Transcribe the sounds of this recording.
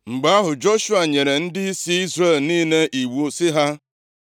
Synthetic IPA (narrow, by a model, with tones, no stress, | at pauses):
ŋ͡m̩˨ɡ͡ba˨˦ɦʊ˨d͡ʒo˦ʃu˦a˨ɲe˨ɾe˨n̩˦dɪ˦i˦si˦i˦zɾe˦˨lniː˦ne˦ʔi˨wu˦sɪ˦ɦa˦